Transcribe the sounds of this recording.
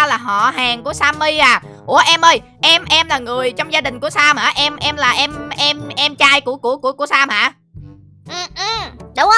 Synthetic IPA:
a˧laː˨˩ɦɔ̰˧˨ɦaː˨˩ŋku˧˩əsaː˧mːi˧jʔaː˨˩ku˧˩əʔɛ˧mʔə˧j | ʔɛ˧mʔɛ˧mlaː˨˩ŋɨ˨˩əjt͡ɕɔ˧wŋ͡mzaː˧ɗï̟˨˩ku˧˩əsaː˧mhaː˧˩ʔɛ˧mʔɛ˧mlaː˨˩ʔɛ˧mʔɛ˧mʔɛ˧mt͡ɕaː˧jku˧˩əku˧˩əkṵ˧˩əku˧˩əsaː˧mha̰ː˧˩ | ʔɨ˨˩ʔɨ˨˩ɗʊ˨˦ŋ͡m

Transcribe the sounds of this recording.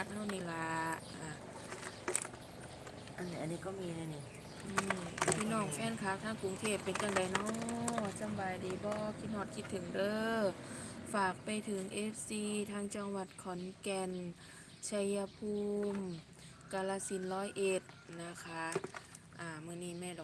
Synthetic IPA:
a˧t̪̚ha˧˨wniː˧˩la˧˦ʔaː˧˩ | ʔa˧˨nːi˧a˨nːiː˧˩kɔː˥˩miː˧na˧˩˨ni˧˩ | ʔɯː˧˩mpʰiː˧˨nɔː˧˩ŋ̚fɛː˧˥˨nkʰa˧˥t̪ʰaː˧˥˨ŋku˨˦ŋt̪ʰeː˧˩pːe˨njaː˧˩ŋda˨˦jnɔ˧˥˧sa˧˨mbaː˨jdiː˨˩bɔː˧kʰi˧t̪̚hɔː˧˩t̪̚kʰi˧t̪ʰːɯ˨˩˦ŋdɤː˧ | faː˨˩k̚pa˨jt̪ʰɯ˨˦ŋʔe˦˧˥p̚siː˧t̪ʰaː˧˥˩ŋt͡ɕa˧˩ŋwa˧˩t̪̚kʰɔ˨˦nkɛ˧n | t͡ɕʰa˧ja˧pʰuː˧m | ka˧la˧si˧˦nlɔː˧˥˨jʔe˧˩t̪̚na˧˥kʰa˧˦˥ʔ | ʔaː˧˩mɯː˧˨niː˧˩mɛː˧˨dɔ˨

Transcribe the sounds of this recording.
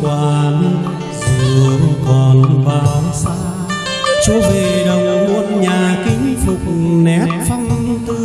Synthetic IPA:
kwaː˧˩n | zɨ˧˩˨əkɔ˨˩nvaː˧˩wsa˧w | t͡ɕu˨˦ve˨˩ɗə˨wŋ͡mmu˧˨ənɲaː˨˩kï˧˦ŋ̟fɨ˨˩k̚nɛ˨˦˥p̚fa˧wŋ͡mt̪ɨ˧

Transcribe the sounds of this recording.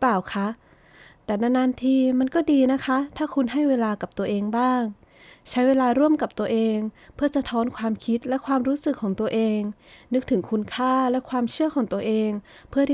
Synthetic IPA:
paː˨˩wkʰa˦˥ʔ | t̪ɛː˨˩na˧˩naː˧˥nt̪ʰiː˧˩ma˧nkɔː˥˩diː˧na˦˥kʰa˦˥t̪ʰaː˥˩kʰu˧nɦa˥˩jweː˧laː˧ka˨˩p̚t̪u˧ɐʔeː˧ŋbaː˥˩ŋ | t͡ɕʰa˦˥jweː˧laː˧ɾu˥˩əmka˨˩p̚t̪u˧əʔeː˧ŋ | pʰɯ˥˩ɐsa˧t̪ʰɔː˦˥nkʰwaː˧mkʰi˦˥t̪̚lɛ˦˥kʰwaː˧mɾuː˦˥sɯ˨˩kʰːɔː˩˦ŋt̪u˧ɐʔeː˧ŋnɯ˦˥k̚t̪ʰɯ˩˦ŋkʰu˧nkʰaː˥˩lɛ˦˥kʰwaː˧mt͡ɕʰɯ˥˩əkʰɔː˩˦ŋt̪u˧ɐʔeː˧ŋpʰɯ˥˩ɐt

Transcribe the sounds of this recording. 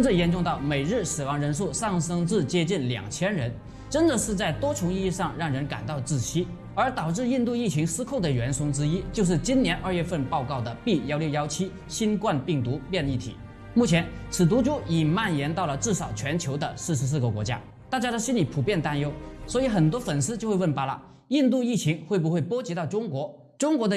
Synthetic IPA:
ʂə˥nt͡sə˥˩jɛ˧˥nʈ͡ʂʊ˧ŋt̪ɑ˥˩ʊme˨˩ɪɻɻ̩˥˩sɹ̩˨˩wɑ˧˥ŋɻə˧˥nʂ̬u˥˧ʂɑ˥˩ŋʂɤ˥ŋt͡sɹ̩˥˩t͡ɕjɛ˥t͡ɕi˥˩nljɑ̰˨˩ŋt͡ɕʰjɛ˥nɻə˧˥n | ʈ͡ʂə˥nd̪ə˨ʂɻ̩˥˧t͡sa˥˩ɪt̪wɔ˥t͡ɕʰjʊ˧˥ŋi˥˧i˥˧ʂɑ˥˧ŋɻɑ˥˩ŋɻə˧˥nka̰˨˩nt̪ɑ˥˧ʊt͡sɹ̩˥˩ɕʰi˥ | ə˞˧˥t̪ɑ˨˩ʊʈ͡ʂɻ̩˥˧i˥˧nt̪u˥˧i˥˩t͡ɕʰi˧˥ŋsɹ̩˥kʰo˥˩ʊd̪ə˩ɥɛ˧˥nʂʊ˥ŋʈ͡ʂɻ̩˥i˥t͡ɕjo˥˧ʂ̬ɻ̩˥˩t͡ɕi˥njɛ˧˥nʔə˞˥˧ɥɛ˥˧fə˥˧npɑ˥˧ʊkɑ˥˩ʊd̪ə˩pi˥˩jɑ˥ʊljjɑ˥ʊt͡ɕʰi˥ | ɕi˥nkwa˥˧npi˥˩ŋt̪u˧˥pjɛ˥˧ni˥˩t̪ʰḭ˨˩˦ | mu˥˩t͡ɕʰjɛ˧˥nt͡sʰɹ̩˨˩t̪̬u˧˥ʈ͡ʂʊ˥ŋi˨˩ma˥˩njɛ˧˥nt̪ɑ˥˩ʊlə˩ʈ͡ʂɻ̩˥˩ʂɑ˨˩ʊt͡ɕʰɥɛ˧˥nt͡ɕʰjo˧˥ʊd̪ə˧sɹ̩˥˩ʂɻ̩˧˥s̬ɹ̩˥˩ɡə˩kwɔ˧˥t͡ɕja̰˥ | t̪a˥˩t͡ɕja˥ɾə˧ɕi˥nli˧˩pʰu˨˩pjɛ˥˩nt̪a˥njo˥ʊswɔ˧˥i˧˥xə˨˩nt̪wɔ˥fə˨˩nsɹ̩˥t͡ɕjo˥˧ʊxwwə˥˩npa˧˥lə̰˧ | i˥˧nt̪̬u˥˧i˥˩t͡ɕʰi˧˥ŋxwe˥˩ɪp̬u˧˥xwe˥˩ɪpwɔ˥t͡ɕi˧˥t̪ɑ˥˩ʊʈ͡ʂʊ˥ŋkwɔ˧˥ | ʈ͡ʂʊ˥ŋkwɔ˧˥d̪ə˧

